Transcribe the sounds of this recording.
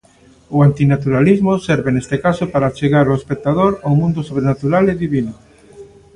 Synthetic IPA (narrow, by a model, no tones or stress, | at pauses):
ʊant̪inat̪uɾalizmʊsɛɾβenest̪ekasopaɾat͡ʃeɣaɾaespek̚t̪aðoɾawmũnd̪osoβ̞ɾenat̪uɾaleðiβino